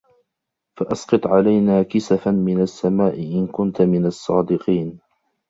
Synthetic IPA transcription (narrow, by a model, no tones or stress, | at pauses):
faʔɑsqɑt̪ˤʕalajnaːkɪsafanmɪnasːamaːʔɪʔɪnkʊnt̪mɪnasˤːɑːd̪ɪqiːn